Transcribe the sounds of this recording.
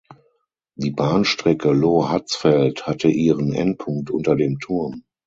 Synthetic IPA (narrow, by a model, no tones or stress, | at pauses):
d̥iːbaːnʃtʁ̥ɛkəloːhat͡sfɛlthatʰəʔiːʁənʔɛ̰nt̚pʰʊŋk̚tʔʊ̰ntɐdeːmtʰʊɐm